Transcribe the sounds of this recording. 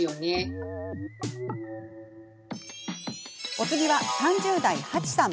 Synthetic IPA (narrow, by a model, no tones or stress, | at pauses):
jone | o̞t͡sɨɡʲiβasãɲd͡ʑɨːd̪aihat͡ɕi̥sãm